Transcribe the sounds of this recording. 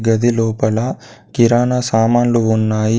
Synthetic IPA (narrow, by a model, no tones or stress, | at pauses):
ɡɐd̪ilɔːpɐlɐ | kiɾaːnɐsaːmaːnluunːaːji